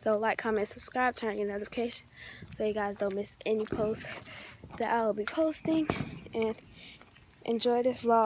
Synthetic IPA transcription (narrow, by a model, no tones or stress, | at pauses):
soʊlaɪkʰɑ̃mɨ̃nsəb̥skɹaɪb̚tʰɜ̃nɪ̃ŋɨ̃nɛɾɨfə̥kʰeɪʃn̩soʊjɨɡaɪzdõʊ̃nmɪsɛnipʰoʊstðɨɾʔaɪwl̩ˠbipʰoʊstɪ̃ŋʔɨ̃n | ʔɨ̰̃nd͡ʒɔɪðɨflɔ